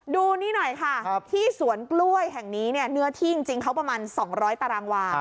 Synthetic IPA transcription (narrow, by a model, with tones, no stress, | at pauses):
duː˧niː˥˩nɔ˨˩jkʰa˥˩t̪ʰiː˥˩su˩˦ənklu˥˩əjɦɛ˨˩ŋniː˦˥ni˥˩ɐnɯ˦˥ɐt̪ʰiː˥˩t͡ɕi˧ŋt͡ɕi˧ŋkʰa˦˥wpɾa˧maː˧nsɔː˩˦ŋɾɔː˦˥jt̪a˧ɾaː˧ŋwaː˧